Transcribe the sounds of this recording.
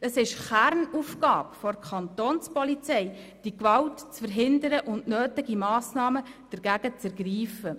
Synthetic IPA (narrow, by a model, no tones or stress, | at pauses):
əsɪʃχæɾnufkɑːpfɔɾkʰχɑnt̪oːnspɔlit͡sɛj | d̥ikʋɑltt͡sfəɾɦɪndəɾəʔʊndnøːtɪɡimɑːsnɑːməd̥əɾɡ̥æɡ̥ət͡sɛɾɡriːfə